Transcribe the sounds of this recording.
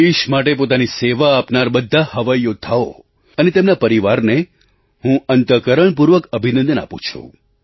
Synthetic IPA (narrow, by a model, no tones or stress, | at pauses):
iʃmaʈepot̪aniseʋaːpnaɾbəd̪ʱːahəʋajːot̪ʰao̰ | ənet̪emnapəɾiʋaɾne | ɦũənt̪əkəɾəɳp̬uɾʋəkəbʱinə̃nd̪əna̰pṵ̃t͡ʃʰṵ̃